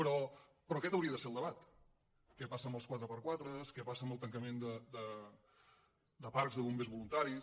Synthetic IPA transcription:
pəɾɔpɾɔkɛt̪əwɾiəðəseəlˠd̪əβat̪ | kɛpasəmbəlˠs̬kwat̪ɾəpəɾkwat̪ɾəskɛpasəmbəlˠt̪əŋkəmend̪əd̪ə | d̪əpaɾkzðəβumbezβulunt̪aɾi

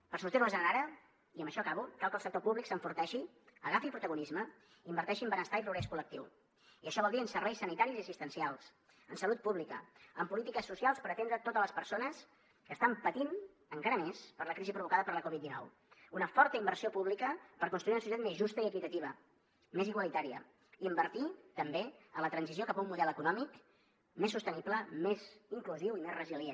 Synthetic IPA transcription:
pəɾsuɾt̪iɾəzənənɾaɾə | iəmbəʃɔkaβukalˠkəlˠsək̚t̪opuβliksəɱfuɾt̪ɛʃi | əɣafipɾut̪əɣunizmə | imbəɾt̪ɛʃiəmbənəst̪aipɾuɣɾɛskulək̚t̪iw | iəʃɔβɔlˠd̪iənsəɾβɛjsːənit̪aɾiziəsist̪ənsialˠs | ənsəlut̪̚puβlikə̰ə̰mpulit̪ikəsːusialˠspəɾət̪end̪ɾət̪ot̪əzləspəɾsonəs | kəːst̪ampət̪in | əŋkaɾəmespəɾləkɾizipɾuβukaðəpəɾləkɔβid̪̚d̪inɔ̰w | unəfɔɾt̪əimbəɾsiopuβlikəpəɾkunst̪ɾuiunsuit̪at̪mezʒust̪əiəkit̪ət̪iβ̞ə | meziɣwalit̪aɾiə̰ | iəmbəɾt̪it̪əmbeənlət̪ɾənziziokapəumːuðɛləkunɔmik | mesːust̪ənipləmeziŋkluziwimezrəzilje

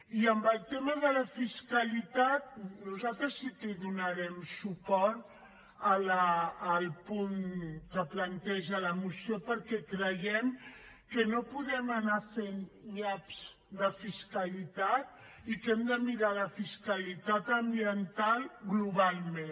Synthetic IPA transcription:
iəmbəlˠt̪eməðələfiskəlit̪at̪̚nuzalt̪ɾəsit̪iðunəɾɛmsupɔɾt̪ | ələːlˠpuŋkəplənt̪ɛʒələmusiopəɾkɛkɾəjɛm | kənopuðɛmənafeŋɡapz̥ | ðəfiskəlit̪at̪̚ | ikɛmd̪əmiɾaləfiskəlit̪at̪əmbiənt̪alˠɣluβalˠme

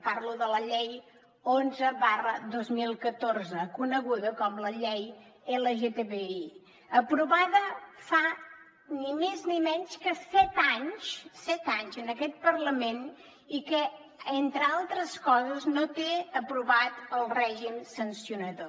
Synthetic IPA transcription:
parluðələʎɛj | onzəβarəðozmilˠkət̪orzəkunəɣuðəkɔmləʎej | eləʒet̪eβei | əpɾuβaðəfa | nimeznimɛɲskəsɛt̪aɲʃsɛt̪aɲzənəkɛt̪̚pərləmen | ikə | ent̪ɾəalˠt̪ɾəskɔzəznot̪eəpɾuβat̪əlˠrɛʒimsənsiunəðo

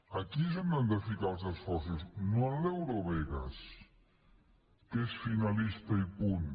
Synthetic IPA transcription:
ɐkiezand̪and̪əfikalˠzəsfɔɾsuznoalewɾoβɛɣɐ̰s | kesfinɐlist̪ɐipun

